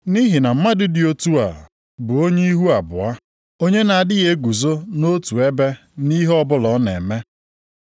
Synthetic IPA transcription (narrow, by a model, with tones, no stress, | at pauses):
ni˦ɦɪ˨na˨m̩˦ma˦dɪ˦dɪ˨o˦tu˦a˨ | bʊ˨o˦ɲe˦i˦ɦu˦a˨bʊ̰˨a˦ | o˦ɲe˦na˨a˨dɪ˦ɣe˦ɡu˨zo˦no˦tu˨e˦be˦ | ni˦ɦɔ˦bʊ˦lɔ˨˦ne˨me˦